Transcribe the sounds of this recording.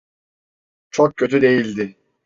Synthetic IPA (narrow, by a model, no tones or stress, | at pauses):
t͡ʃʰok̚cʰːø̞t̪ʰyd̪e̞jilʲd̪ɪ